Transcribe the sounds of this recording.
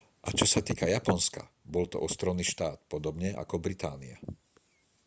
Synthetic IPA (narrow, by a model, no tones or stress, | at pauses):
ʔat͡ʃɔsat̪iːkajapɔnska̰ | bɔlt̪ɔ̰ʔɔst̪ɾɔʊniːʃt̪aːt̪pɔd̪ɔbɲɛʔa̰kɔbɾit̪aːnia̰